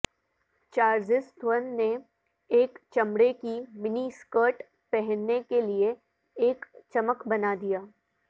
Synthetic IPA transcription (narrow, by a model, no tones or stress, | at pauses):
t͡ʃaːɾd͡ʒɪst̪wənːe | eːkt͡ʃɐmɽekimɪniskəːʈ | pɛɦɛnːekelie | eːkt͡ʃɐməkbɐnad̪ijaː